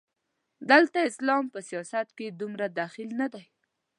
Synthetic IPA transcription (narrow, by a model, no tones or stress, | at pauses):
d̪əlt̪aɪslɑmpəsijɑsat̪ked̪umɾad̪axɪlnad̪aj